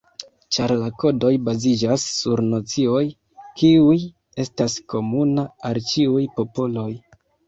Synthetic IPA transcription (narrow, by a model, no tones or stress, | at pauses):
t͡ʃaɾlako̞do̞jbazid͡ʒasːuɾnot͡sio̞j | kiuj | e̞stasko̞munaalt͡ʃiujpo̞polo̞j